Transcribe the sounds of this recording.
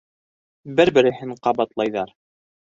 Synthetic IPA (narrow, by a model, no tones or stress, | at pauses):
bɘɾbɘ̆ɾɘ̆hɘɴqɑbɑt̪lˠɑjðɑɾ